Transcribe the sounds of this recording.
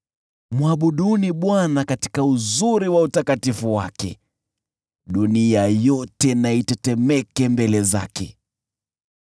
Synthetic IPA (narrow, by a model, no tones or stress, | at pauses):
muaɓuɗuniɓwanakati̥kauzuɾiwautakatifuwa̰kɛ̰ | ɗuniajɔtɛnaitɛtɛmɛkɛmbɛlɛza̰kɛ̰